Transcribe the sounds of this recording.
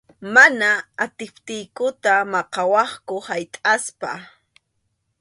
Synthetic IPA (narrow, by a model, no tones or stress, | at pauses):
manaːt̪ɪpt̪ɪjkʊt̪amɑqɑwɑχkʊhajt̪ʼaspa̰